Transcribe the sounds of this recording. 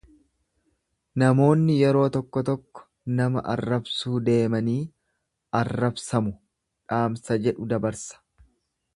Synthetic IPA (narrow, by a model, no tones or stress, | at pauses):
nɐmo̞ːnːɪjɛɾo̞ːt̪ɔkːɔt̪ɔkːɔ̥ | nɐmɐ̰ʔɐ̰rːɐbsuːd̪e̞ːmɐniː | ɐrːɐbsɐmʊ | ᶑaːmsɐd͡ʒɛᶑʊd̪ɐbɐɾsɐ̥